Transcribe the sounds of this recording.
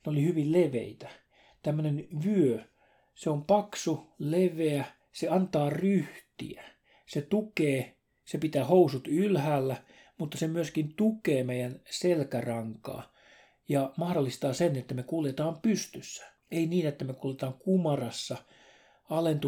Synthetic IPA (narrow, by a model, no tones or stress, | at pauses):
neolihyʋilleʋḛit̪æ | t̪æmːønenʋyø | seompɑksuleʋeæ | seɑnt̪ɑːryht̪ḭæ | set̪ukeː | sepit̪æːhousut̪ylhæːlːæ | mut̪ːɑsemyøskint̪ukeːmeijænselkærɑŋkɑ̰ː | jɑmɑhdolːist̪ɑːsenet̪ːæmekuljet̪ɑːmpyst̪ysːæ̥ | einiːnet̪ːæmekuljet̪ɑːŋkumɑrɑsːɑ | ɑlent̪u